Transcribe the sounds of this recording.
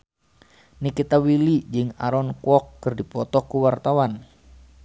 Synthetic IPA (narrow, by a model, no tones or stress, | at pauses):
nikit̪awilid͡ʒɨŋa̰ɾɔnkwɔkːɨrdipɔt̪ɔkuwart̪awan